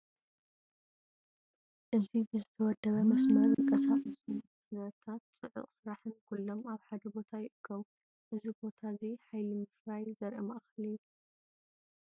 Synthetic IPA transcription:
ʔɨzibɨzɨt̪ʰɐwɔd̪ːɐβɐmɐsmɐɾikʼɐsabɨsɨn | sɨnɐt̪ʰat̪̚t͡sʼɨʕʊ̰χʼsɨɾaħɨnkʰulːo̞maβħad̪ɐbo̞t̪ʰajɪʔɨkʰːɐwu | ʔɨzibo̞t̪ʰaziħajlimɨfɾajzɐɾʔɐmɐʔxɐlijːu

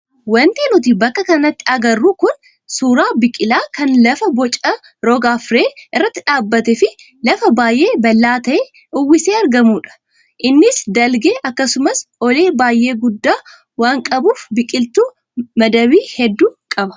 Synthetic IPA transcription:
wɐnt̪eːnʊt̪̬ibɐkːɐkɐnɐt̪ːɪɐɡɐrːuːkʊn | suːɾaːbɪkʼɪlaːkɐnlɐfɐbɔt͡ʃʼːɐ | ɾoːɡaːfɾeːʔɪrːɐt̪ːɪᶑaːbːɐt̪ɛfɪ | lɐfɐbaːjʔe̞ːbɐlːaːt̪ɐʔeː | ʊwːɪseːɐɾɡɐmuːᶑɐ̥ | ʔɪnːɪsd̪ɐlɡeːʔɐkːɐsʊmɐsɔle̞ːbaːjʔe̞ːɡʊd̪ːaː | waːŋkʼɐbuːfbɪkʼɪlt̪uː | mɐd̪ɐwiːhɛd̪ːuːkʼɐbɐ̥

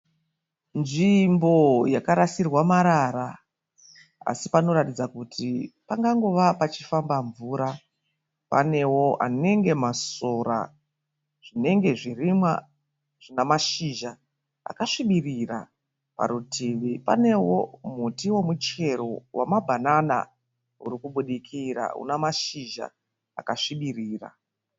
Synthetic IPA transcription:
nʐimbo̞jakaɾasirwamaɾaɾa | a̰sipano̞ɾatid͡zakutʰipaŋɡaŋɡo̞ʋapat͡ʃifambaɱvuɾa | pa̰ne̞wo̞a̰ne̞ŋɡe̞maso̞ra̰ | ʐ̥ine̞ŋɡe̞ʐirimwa̰ | ʐ̥inamaʃiʒa | a̰kaʂiɓirira̰ | pa̰ɾutʰiʋipa̰ne̞wo̞mutiwo̞mut͡ʃe̞ɾo̞̰wa̰mabʱanana̰ | ṵɾikuɓuɗikʰiɾa̰ṵnamaʃiʒa̰ | a̰kaʂiɓiriːra̰

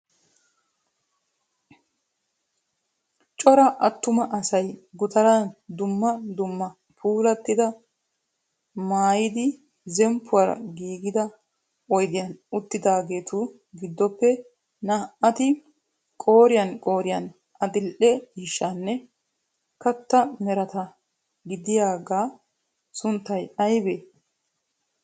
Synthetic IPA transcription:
t͡ʃʼɔɾɐʔɐt̪ːʊmɐʔɐsɐjɡʊt̪ɐɾand̪ʊmːɐd̪ʊmːɐ | pʰuːlɐt̪ːɪd̪ɐ | maːjɪd̪ɪ | zɛmpʰːʊwaːɾɐ̰ɡiːɡɪd̪ɐ | ɔjd̪ɪjɐnʊt̪ːɪd̪aːɡe̞ːt̪ʰu | ɡɪd̪ːɔpːɛ | nɐʔɐt̪ɪ | kʼo̞ːɾɪjɐnkʼo̞ːɾɪjɐn | ɐd̪ɪlʔɛiːʃːanːɛ | kɐt̪ːɐmɛɾɐt̪ɐ | ɡɪd̪ɪjaːɡaː | sʊnt̪ːɐjɐjbe

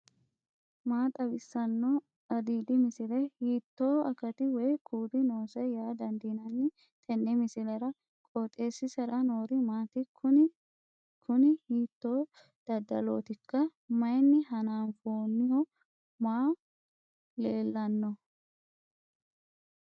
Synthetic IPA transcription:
maːt̪ʼɐbɪsːɐnːɔ | ɐd̪iːd̪ɪmɪsɪlɛhiːt̪ːoːɐkɐt̪ɪwɛːkʰuːd̪ɪno̞ːsɛjaːd̪ɐnd̪iːnɐnːɪ | t̪ʼɛnːɛmɪsɪlɛɾɐ | kʼoːt̪ʼe̞ːsːɪsɛɾɐno̞ːɾɪmaːt̪ɪkʊ | kʰʊnɪhiːt̪ːoː | d̪̥ɐd̪ɐlo̰ːt̪ɪkːɐmɐjnːɪɦɐnaːnfoːnːɪhɔ | maː | leːlːɐnːɔ

